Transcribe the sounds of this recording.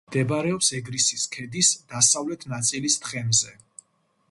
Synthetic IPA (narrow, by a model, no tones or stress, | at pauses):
d̪̥ɛbaɾɛɔpsɛɡɾisiskʰɛd̪isd̪̥asavlɛt̪ʰnat̪sʼilisd̪χɛmzɛ